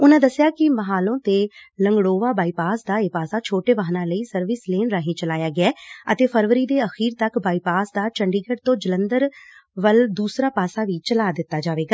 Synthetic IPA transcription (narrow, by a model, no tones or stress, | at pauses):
ʊnãːd̪əsːɪjaːkɪməɦaːlõːt̪eːləŋɡɽoːʋaːbaːiːpaːsd̪aːeːpaːsaːt͡ʃʰoːʈeːbaːɦnãːləiːsəɾʋɪsleːnɾaːɦĩːt͡ʃəlaːjaːɡɪɛːət̪eːpʰəɾʋəɾiːd̪eːəxiːɾt̪əkbaːiːpaːsd̪aːt͡ʃəɳɖiːɡəɖt̪õːd͡ʒələnd̪əɾʋəld̪uːsɾaːpaːsaːʋiːt͡ʃəlaːd̪ɪt̪ːaːd͡ʒaːʋeːɡaː